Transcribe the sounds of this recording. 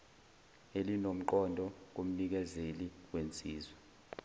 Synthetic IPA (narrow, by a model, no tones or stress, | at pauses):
elinom̩ǃɔndʱɔk̬om̩nik̬ɛzeliwent͡sʼiːzwɛ